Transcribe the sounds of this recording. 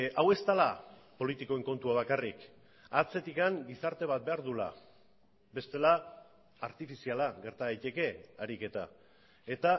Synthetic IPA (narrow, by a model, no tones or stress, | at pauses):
awe̞st̪alapo̞lit̪iko̞e̞ŋko̞nt̪uaβ̞akarik | at͡se̞t̪ikaŋɡisaɾt̪e̞βat̪̚be̞aɾðula̰ | be̞st̪e̞laː | ɾt̪ifisialaɣe̞ɾt̪aɣajt̪e̞ke̞aɾike̞t̪a̰ | e̞t̪a